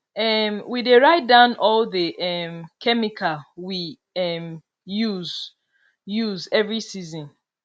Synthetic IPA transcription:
ɛmwideɹaɪt̚dãʊ̃nɔlðəʔɛmkʰɛmikʰawi | ɛm | juz | juzɛvɹisizɔ̃n

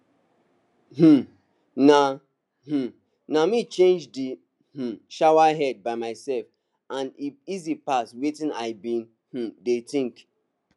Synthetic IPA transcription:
h̩ | na | h̩ | namit͡ʃẽnd͡ʒdi | h̩ʃawaɦɛd̚baɪmaɪsɛlf | ãnifizipaswetĩnaɪbĩn | h̩detĩŋk

